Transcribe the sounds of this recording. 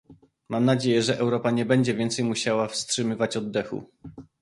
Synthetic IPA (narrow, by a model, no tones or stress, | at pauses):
mamnad͡ʑejɛʐɛʔɛwɾɔpaɲɛbɛɲd͡ʑɛvʲjɛnt̪sɛjmuɕawafstʂɘmɘvat͡ɕɔd̪ːɛxṵ